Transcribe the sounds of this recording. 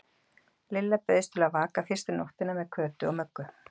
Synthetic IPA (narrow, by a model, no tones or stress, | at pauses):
lɪlːapœɥðɪst̪ʰɪlaðvaːkafɪrst̪ɪnoht̪ɪnamɛðkʰœːt̪ʏɔwmœkːʏ